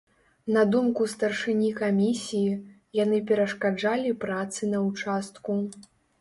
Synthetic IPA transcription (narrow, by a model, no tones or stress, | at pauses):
nɐd̪umkust̪ɐrʂɨnʲikamʲisʲiji | janɨpʲɛɾɐʂkad͡ʐalʲipɾat̪sɨnɐwt͡ʂast̪̚ku